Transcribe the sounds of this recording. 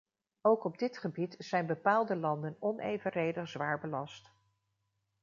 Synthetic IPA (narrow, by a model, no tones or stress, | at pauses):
owkɔb̚dɪtχəbitz̥ɛjnbəpaːlˠdəlɑndənɔnʔḛjvərejdəχz̥ʋaːɹbəlɑst